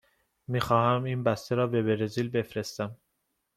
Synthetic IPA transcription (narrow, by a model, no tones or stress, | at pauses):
miːxɒːhæmiːnbæst̪eɾɒːbe̞be̞ɾeziːlbe̞fɾe̞st̪æm